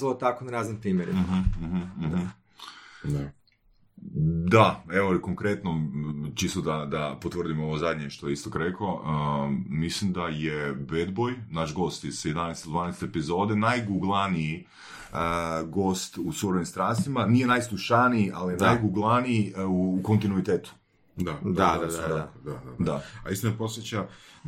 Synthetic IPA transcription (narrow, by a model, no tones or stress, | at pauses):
ot̪akonaɾaːznimpɾiːmjeɾḭmɦh̩ | d̪aeʋokoŋkɾet̪not͡ʃist̪od̪ad̪apot̪ʋrd̪imoʋozad̪ʲɲeʃt̪ojeist̪okɾekoəmislimd̪ajebe̞d̪bojnaʃɡo̞st̪isjed̪anest̪od̪ʋaːnest̪eepizo̞d̪enajɡuɡlˠanii | əɡo̞st̪usuɾonimst̪ɾanst̪ʋimanije̞najslˠuʃaniiʔalijenajɡuɡlˠaniiuːko̞nt̪inuit̪eːt̪u̥ | d̪ad̪ad̪ad̪ak̪ad̪aaisomepo̞sʋjet͡ɕa